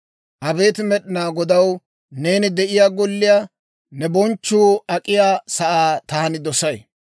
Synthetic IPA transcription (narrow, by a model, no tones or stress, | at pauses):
ʔɐbe̞ːt̪ɪmɛɗɪnaːɡɔd̪ɐw | ne̞ːnɪd̪ɛʔɪjaːɡɔlːɪjaː | nɛbɔnt͡ʃːuːɐkʼɪjaːsɐʔaːt̪aːnɪd̪ɔsɐj